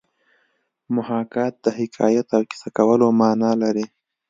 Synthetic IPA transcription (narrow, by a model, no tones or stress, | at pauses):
mʊhɑkɑt̪̚d̪əhɪkʰɑ̰jat̪awki̥sakawəlomɑːnɑlaɾi